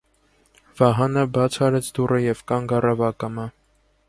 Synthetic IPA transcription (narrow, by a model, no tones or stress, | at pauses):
v̥ɑɦɑnəbɑt͡sʰhɑɾɛt͡sʰd̪urəjɛvkɑŋɡɑrɑvɑkɑmə